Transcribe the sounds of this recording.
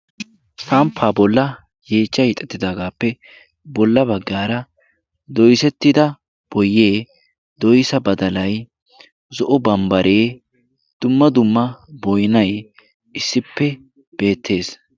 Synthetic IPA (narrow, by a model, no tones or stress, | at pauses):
sɐmpʰːaːbɔlːɐ | jeːt͡ʃːɐhɪt̪ʼːɛt̪ːɪd̪aːɡaːpːɛ | bɔlːɐbɐɡːaːɾɐ | d̪ɔjsɛt̪ːɪd̪ɐ | b̥ɔjeː | d̪ɔjsɐbɐd̪ɐlɐj | zɔʔɔbɐmbɐɾʔe̞ː | d̪̥ʊmːɐd̪ʊmːɐbɔjnɐj | ɪsːɪpːɛ | b̥e̞ːt̪ʰːe̞ːs